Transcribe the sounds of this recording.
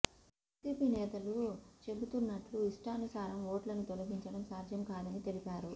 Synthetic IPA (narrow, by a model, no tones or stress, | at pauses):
ɐsiːpiːnɛːt̪ɐlut͡ʃe̞but̪unːɐʈluiʂʈɐɐnusaːɾɐmoːʈlɐnut̪olɐɡiɲt͡ʃɐɽɐmsaːɾd͡ʒ̪jɐmkaːd̪ɐnit̪e̞lipaːɾu